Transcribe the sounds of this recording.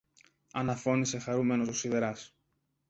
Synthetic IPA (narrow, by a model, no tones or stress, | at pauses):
ɐnɐfo̞nise̞xɐɾume̞no̞sosiðe̞ɾɐs